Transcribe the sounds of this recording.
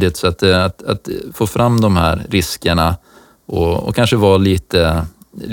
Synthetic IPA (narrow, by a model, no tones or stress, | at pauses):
ɪt̪sɔat̪̚d̪ɛat̪a̰t̪foːfɾamːd̪ɔmhæ̰ːɾːɪskəɳa | ʔɔɔ̰kʰanʂəvɑːliːt̪ə | l